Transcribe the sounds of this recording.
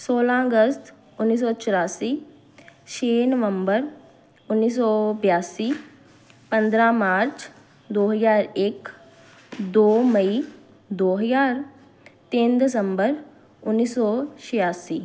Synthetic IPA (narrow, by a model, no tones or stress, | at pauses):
soːlãːəɡəst̪ | ʊnːiːs̬ɔːt͡ʃəɾaːsiː | ʃʰeːnəʋəmbəɾ | ʊnːiːs̬ɔːbjaːsiː | pə̃nd̪ɾaːmaːɾt͡ʃ | d̪oːɦəzaːɾɪk | d̪oːməiː | d̪oːɦəjaːɾ | t̪ɪ̃nd̪ɪs̬əmbəɾ | ʊnːiːsɔːʃɪjaːsiː